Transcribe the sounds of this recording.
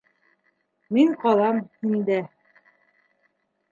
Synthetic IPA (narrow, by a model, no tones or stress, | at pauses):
miŋqɑlˠɑmhind̪æ